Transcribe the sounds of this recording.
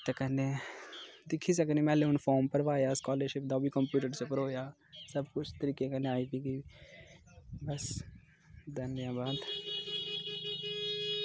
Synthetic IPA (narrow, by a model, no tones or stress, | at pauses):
t̪eːkɛ̃nd̪eː | d̪ɪkʰːiːs̬əkniːmɛ̃ːleʊnpʰɔːɾmpəɾʋaːjaːskaːləɾʃɪp̚d̪aoːbiːkəmpjuːʈəɾt͡ʃəpəɾoːjaː | səbkʊt͡ʃʰt̪əɾiːkeːkɛ̃nd̪eaːiːpiːɡiː | bəs | d̪ənːjãːbaːd̪